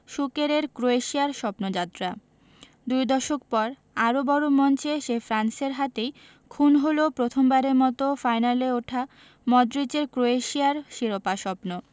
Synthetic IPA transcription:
ʃukeɾeɾkɾoeʃiaɾʃɔpnod͡ʑat̪ːɾa | d̪ujd̪ɔʃokpɔɾ | aɾobɔɾomɔnt͡ɕeʃefʰɾanseɾɦat̪ej | kʰunɦolopɾot̪ʰombaɾeɾmɔt̪ofajnaleoʈʰa | mɔd̪ɾit͡ɕeɾkɾoeʃiaɾʃiɾopaʃɔpno

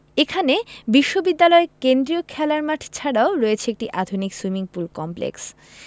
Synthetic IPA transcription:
ekʰanebiʃːobid̪ːalɔekend̪ɾiokʰɛlaɾmaʈʰt͡ɕʰaɽaoɾɔet͡ɕʰeek̚ʈiʔad̪ʱonikswimiŋpulkɔmplḛks

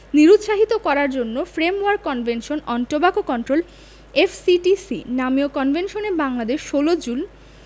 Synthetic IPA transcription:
niɾut̪ʃaɦit̪okɔɾaɾd͡ʑonːofɾemoaɾkːɔnbʱenʃonɔnʈobakokɔnʈɾol | efʰsiʈisḭnamiokɔnbʱenʃonebaŋlad̪eʃːolod͡ʑun

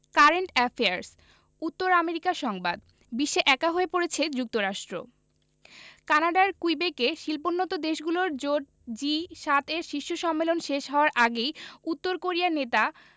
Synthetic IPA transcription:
kaɾeɳʈɛfeaɾs | ut̪ːoɾameɾikaʃɔŋbad̪ | biʃːeʔɛkaɦoepoɾet͡ɕʰed͡ʑuk̚t̪oɾaʃʈɾo̰ | kanaɖaɾkujbekeʃilponːɔt̪od̪eʃɡuloɾd͡ʑoʈ̚ | d͡ʑiʃat̪ʰeɾʃiʃːoʃɔmːelonʃeʃɦɔoaɾʔaɡejut̪ːoɾkoɾianet̪a

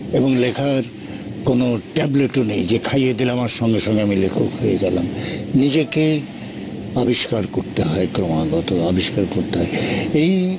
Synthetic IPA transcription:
eboŋlekʰaɾ | konoʈɛbleʈonejd͡ʑekʰajed̪ileamaɾʃɔŋɡeʃɔŋɡeamilekʰoojeɡalamnid͡ʑeke | abiʃkaɾkoɾt̪eɦɔekɾomaɡɔt̪oabʱiʃkaɾkoɾt̪eɦɔeej

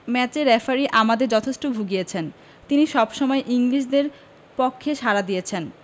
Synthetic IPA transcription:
mɛt͡ɕeɾːɛfaɾiʔamad̪eɾd͡ʑɔt̪ʰeʃʈobʱuɡijet͡ɕʰen | t̪iniʃɔbʃɔmɔeʔiŋliʃ̬d̪eɾ | pokʰːeʃaɾad̪ijet͡ɕʰen

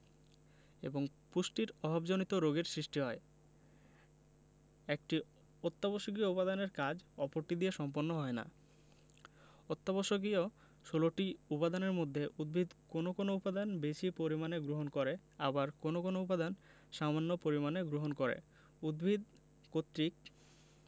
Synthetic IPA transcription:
ḛboŋpusʈiɾɔbʱabd͡ʑonit̪oɾoɡeɾsɾiʃʈiɦɔe | ek̚ʈi | ot̪ːaboʃokioupad̪aneɾkad͡ʑɔpoɾʈid̪ieʃɔmponːoɦɔena̰ | ot̪ːaboʃok̬io | ʃoloʈiupad̪aneɾmod̪ʱːeʔud̪̚bʱid̪konokonoupad̪anbeʃipoɾimaneɡɾoɦonkoɾe | abaɾkonokonoupad̪an | ʃamanːopoɾimaneɡɾoɦonkoɾḛ | ud̪bʱid̪̚ | kot̪ːɾik̚

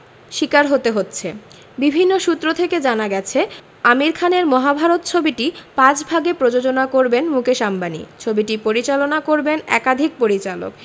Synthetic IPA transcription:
ʃikaɾɦot̪eɦotːɕʰe | bibʱinːoʃut̪ːɾot̪ʰeked͡ʑanaɡɛt͡ɕʰe | amiɾkʰaneɾmɔɦabʱaɾot̪t͡ɕʰobiʈipãt͡ɕbʱaɡepɾod͡ʑod͡ʑonakoɾbenmukeʃambanḭt͡ɕʰobiʈipoɾit͡ɕalonakoɾbenɛ̰kad̪ʱik̚poɾit͡ɕalo̰k

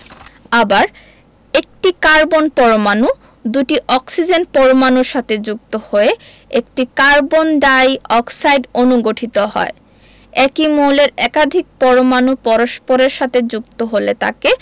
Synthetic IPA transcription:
abaɾ | ek̚ʈikaɾbonpɔɾomanu | d̪uʈiʔɔksid͡ʑenpɔɾomanuɾʃat̪ʰed͡ʑuk̚t̪ohoe | ekʈikaɾbonɖajɔksajɖonuɡoʈʰit̪oɦɔ̰e | ɛkimoleɾɛkad̪ʱik̚pɔɾomanupɔɾoʃpoɾeɾʃat̪ʰed͡ʑuk̚t̪oɦolet̪a̰ke

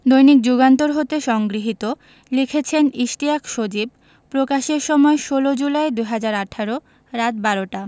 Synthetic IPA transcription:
d̪ojnik̚d͡ʑuɡant̪oɾɦot̪eʃɔŋɡɾiɦit̪o | likʰet͡ɕʰeniʃʈiakʃod͡ʑib̚ | pɾokaʃeɾʃɔmɔeʃolod͡ʑulaed̪ujɦad͡ʑaɾaʈʰaɾo | ɾat̪̚baɾoʈa

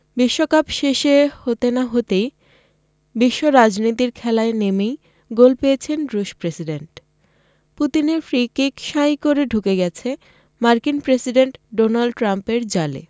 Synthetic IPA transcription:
biʃːokapʃeʃehot̪enaɦot̪ej | biʃːoɾad͡ʑnit̪̬iɾkʰɛlaenemej | ɡolpejet͡ɕʰenɾuʃpɾesiɖeɳʈ | put̪ineɾfɾikikʃajkoɾeɖʱukeɡɛt͡ɕʰe | maɾkinpɾesiɖeɳʈɖonalɖʈɾampeɾd͡ʑalḛ

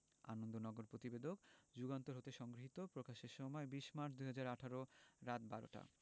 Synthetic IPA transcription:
a̰nond̪onɔɡoɾpɾot̪ibed̪ʱokd͡ʑuɡant̪oɾɦot̪eʃɔŋɡɾoɦit̪opɾokaʃeɾʃɔmɔebiʃmaɾd̪uɦad͡ʑaɾaʈʰaɾoɾat̪baɾo̰ʈa̰

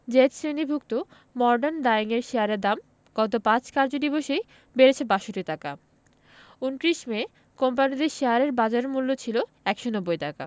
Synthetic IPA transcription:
d͡ʑetsɾenibʱuk̚t̪o | mɔɾɖand̪aiŋeɾʃeɦaɾeɾd̪am | ɡ̥ɔt̪opãt͡ɕkaɾd͡ʑod̪iboʃej | beɾet͡ɕʰebaʃoʈiʈaka | unʈɾiʃme | kompanid̪iɾʃeɦaɾeɾbad͡ʑaɾeɾmulːot͡ɕʰilo | ɛkʃonɔbːojʈaka̰

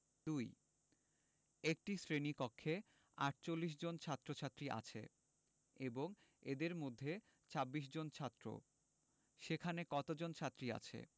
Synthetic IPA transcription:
d̪uj | ek̚ʈisɾenikɔkʰːe | aʈ̚t͡ɕolːiʃ̬d͡ʑont͡ɕʰat̪ːɾot͡ɕʰat̪ːɾiʔa̰t͡ɕʰḛ | eboŋed̪eɾmod̪ʱːe | t͡ɕʰabːiʃ̬d͡ʑont͡ɕʰat̪ːɾo̰ | ʃekʰanekɔt̪od͡ʑont͡ɕʰat̪ːɾia̰t͡ɕʰḛ

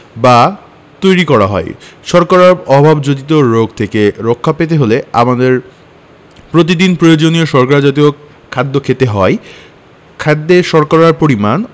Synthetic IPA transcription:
ba | t̪ojɾikɔɾaɦɔ̰eʃɔɾkaɾaɾɔbʱabd͡ʑod̪it̪̬oɾoɡt̪ʰekeɾokʰːapet̪̬eɦolea̰mad̪eɾ | pɾot̪̬id̪inpɾojod͡ʑonioʃɔɾkaɾad͡ʑat̪̬io | kʰːad̪ːokʰet̪eɦɔe | kʰad̪ːeʃɔɾkaɾaɾpoɾiman

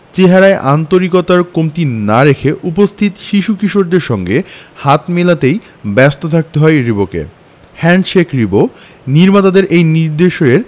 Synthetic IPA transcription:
t͡ɕeɦaɾaeʔant̪oɾikɔt̪aɾkomt̪inaɾekʰeʔupost̪ʰit̪ʃiʃukiʃoʈ̚d̪eɾʃɔŋɡehat̪melat̪ej | bɛst̪ot̪ʰak̚t̪eɦɔeɾibokḛ | hɛnʃekʰɾibo | niɾmat̪ad̪eɾʔejniɾd̪eʃoeɾ

